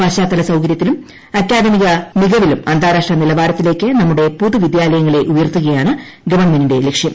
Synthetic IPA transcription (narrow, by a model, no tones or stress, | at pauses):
aːɕaːt̪ːɐlɐsɐwkɐɾjɐt̪ːilum | ɐkʲːjaːd̪ɐmiɣɐniɣɐʋilumɐnd̪ʱaːɾaːʂʈrɐnilɐbaːɾɐt̪ːile̞ːkːɨnɐmːuɽe̞puðɨʋid̪jaːlɐjɐŋːɐɭe̞ʔujɐrt̪ːuɣɐjaːɳɨ | ɡɐʋɐɳmeniɽe̞lekʂjɐm